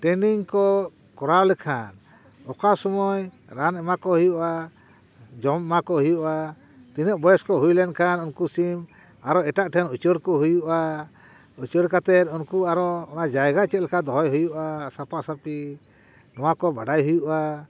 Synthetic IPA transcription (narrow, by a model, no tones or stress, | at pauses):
ʈɛniŋkɔ | kɔɾawlɛkʰan | ɔkasɔmɔj | ɾanɛmakɔɦujuʔa | d͡ʒɔmɛmakɔɦujuʔa | t̪inɔʔbɔjɛskɔɦujlɛnkʰanunkusim | aɾɔɛʈaʔʈʰɛnut͡ʃəɾkɔɦujuʔa | ut͡ʃəɾkat̪ɛt̪ˀunkuaɾɔːnad͡ʒajɡat͡ʃɛt̪̚lɛkʰad̪ɔɦɔjɦujuʔasapasapi | nɔwakɔbaɖajɦujuʔa